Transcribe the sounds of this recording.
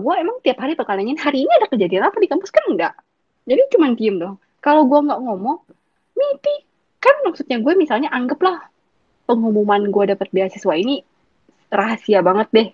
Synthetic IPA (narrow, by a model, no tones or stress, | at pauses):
ɡuaemaŋt̪iaphaɾipəkalaɲanɦaɾiːniadakəd͡ʒadianapadikampʊskanəndaʔ | d͡ʒadit͡ʃumant̪iəmdɔh | kalowɡuɛŋɡaʔŋomɔŋ | mit̪i | kanmaksut̪̚ɲaɡuɛmisalɲaʔaŋɡəplah | pəŋumumanɡuɛdapət̪̚beasəsuaini | raɦasiabaŋət̪̚dɛh